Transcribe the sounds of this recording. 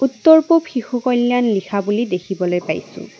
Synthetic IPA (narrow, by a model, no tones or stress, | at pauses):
ut̪ːɔɹpopʰixokɔlːjanlikʰabulidekʰibɔlojpa̰jsʊ̰̃